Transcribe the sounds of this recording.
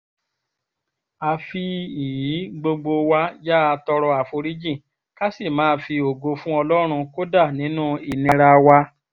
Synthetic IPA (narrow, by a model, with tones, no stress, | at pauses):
a˧fi˧i˨ji˨˦ɡ͡bo˧ɡ͡bo˧wa˧˦ja˦a˧tɔ˧ɾɔ˧a˨fo˧ɾi˦d͡ʒĩ˦˨ | ka˦si˦˨mãː˨˦˧fi˧o˨ɡo˧fũ˦ɔ˧lɔ˦ɾ̃ũ˧ko˦da˦˨nĩ˨˦nũ˦i˨nĩ˧ɾa˧wa˧